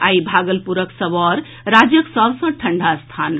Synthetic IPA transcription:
aibʱaɡəlpuɾəksʌbɔɾ | ɾad͡ʒjəksəbsʌ̃ʈʰəɳɖʱast̪ʰan

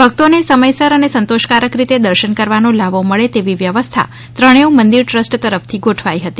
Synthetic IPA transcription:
bʱək̚t̪onesəməjsəɾənesənt̪oʃkaɾəkɾit̪ed̪əɾʃənkəɾʋanõlaʋoməɭet̪eʋiʋjəʋəst̪ʰa̰ | t̪ɾəɳ̃eumənd̪iɾʈɾəsʈt̪əɾəft̪ʰiɡoʈʰʋaiɦət̪i

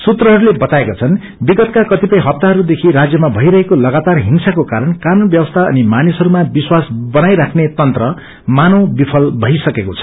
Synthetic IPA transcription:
sut̪rʌɦʌɾulebʌt̪aekot͡sʰʌn | biɡʌt̪̚kakʌt̪ipʌj̃ɦʌp̚t̪aɦʌɾud̪ekʰiɾad͡zjʌmabʱʌjɾʌɦekolʌɡat̪arɦimsakokaɾʌnkanunbjʌwʌst̪ʰaʌ̰nimanisɦʌɾumabiswasbʌnajɾakʰnet̪ʌnt̪rʌ | manõwbipʰʌlbʱʌjsʌkekot͡sʰʌ

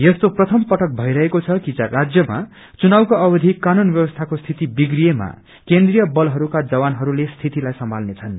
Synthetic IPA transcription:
jest̪oprʌt̪ʰʌmpʌʈʌk̚bʱʌjɾʌɦekot͡sʰʌkid͡zarad͡zjʌma̰ | t͡sunawkoʌbʌd̪ʱikːanunbjʌbʌst̪ʰakost̪ʰit̪ibiɡrijema̰ | kend̪rijʌbʌlɦʌɾukad͡zʌbanɦʌɾulest̪ʰit̪ilajsʌmbʱalnet͡sʰʌn

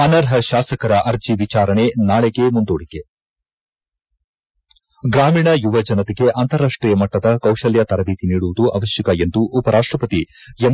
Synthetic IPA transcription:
ɐnɐɾɦɐʃaːsɐkɐɾɐʔɐɾd͡ʒiʋit͡ʃaːɾɐɳe̞naːɭeɡe̞mund̪oːɽiɡe | ɡɾaːmiːɳɐjuʋɐd͡ʒɐnɐt̪eɡe̞ʔɐnt̪ɐɾːaːʂʈɾiːjɐmɐʈːɐd̪ɐkɐwʃɐljɐt̪ɐɾɐbiːt̪iniːɽuʋud̪uʔɐ̰ʋɐʃjɐkɐe̞nd̪uʔːpɐɾaːʂʈɾɐpɐt̪ien

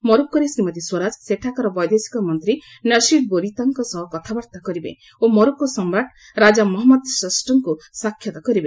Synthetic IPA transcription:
mɔɾuk̚kːɔɾesɾimət̪iswɔɾad͡ʒseʈʰakɔɾɔbɔjd̪esi̥kɔmɔnt̪ɾi | nʌʃiɖ̚boɾit̪ɔŋkɔsɔɦɔkɔt̪ʰabɔɾt̪akɔɾibḛ | omɔɾukːɔsɔmɾaʈ | ɾad͡ʒamɔɦɔmɔd̪səsʈɔŋkusakʰːjɔt̪ɔkɔɾibe

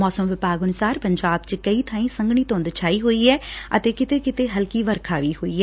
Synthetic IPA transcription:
mɔːsəmʋɪpaːɡənʊsaːɾpəɲd͡ʒaːb̚t͡ʃkəiːt̪ʰaːĩːsə̃ŋɡɳiːt̪õːnd̪t͡ʃʰaːiːɦoːiːɛːət̪eːkɪt̪eːkɪt̪eːɦəlkiːʋəɾkʰaːʋiːɦoːiːɛː

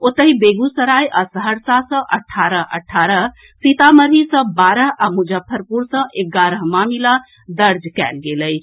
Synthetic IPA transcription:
ot̪əɦibeɡusəɾajʔasəɦəɾsasə̃ʔəʈʰːaɾəʔə̰ʈʰːaɾəɦ | sit̪aməɾɦisə̃baɾəɦamud͡ʒəpʰːəɾpuɾsə̃ʔeɡaɾəɦmamila | d̪əɾd͡ʒkɛ̰lɡeləj

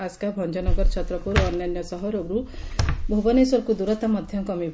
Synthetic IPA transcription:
askabʱɔnd͡ʒɔnɔɡɔɾt͡ʃʰɔt̪ɾɔpuɾɔnjanjɔsɔɦɔɾoɡɾubʱubɔnesɔɾkud̪uɾɔt̪amɔd̪ʱjɔkɔmibʱ

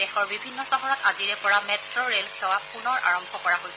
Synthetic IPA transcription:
dɛxɔɹbibʱinːɔsɔɦɔɹɔtaziɹɛpɔɹamɛtɹɔɹelkʰɛwapunɔɹʔa̰ɹɔmbʱɔkɔɹaɦojs

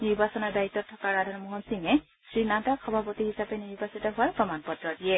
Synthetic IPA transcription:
niɹbasɔnɔɹdaitːɔtʰːɔkaɹadʱɔnmɔɦɔnsiŋɛ | sɹinataxʰɔbʱapotihisapɛniɹbasitɔɦʊaɹpɹɔmanpɔtɹɔdiɛ

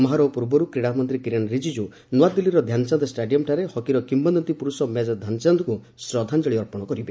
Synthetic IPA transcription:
mɔɦaɾɔpuɾbɔɾukɾiɽamɔnt̪ɾikiɾenɾid͡ʒid͡ʒu | nuad̪ːilːiɾɔd̪ʱjansand̪ɔsʈeɖijɔmʈʰaɾehɔkiɾɔkimbɔnd̪ɔnt̪ipuɾusɔmad͡ʒɔd̪ʱjant͡ʃand̪ɔku | sɾɔd̪ʱand͡ʒɔɭiɔɾpɔɽ̃ɔkɔɾibe

